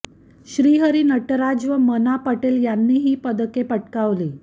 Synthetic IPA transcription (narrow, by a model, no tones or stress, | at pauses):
ɕɾiːɦəɾiːnəʈəɾad͡ʑʋəmənapəʈeljanːiːɦiːpəd̪əkepəʈkaʋliː